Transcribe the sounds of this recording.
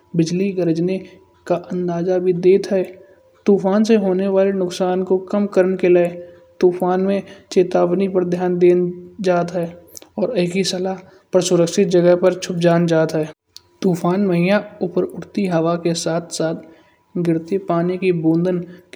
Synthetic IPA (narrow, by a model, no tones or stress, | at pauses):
bɪd͡ʒliɡəɾəd͡ʒne | kaʔə̃nd̪aːzabʱid̪eːt̪ɦɛː | t̪uːfaːnseɦoːneʋaːlenʊksaːnkokəmkəɾənkelaːe | t̪uːfaːnmẽt͡ʃeːt̪aːwnipəɾd̪ʱjaːnd̪eːnd͡ʒaːt̪ɦɛːɔːɾəɪkisəla | pɾsʊɾəkʃɪt̪̚d͡ʒəɡəɦpəɾt͡ʃʰʊp̚d͡ʒaːnd͡ʒaːt̪ɦɛː | t̪uːfʰaːnməɦijaʊpəɾʊʈt̪iɦəʋakesaːt̪ʰsaːt̪ʰ | ɡɪɾt̪epaːnikibõːnd̪ən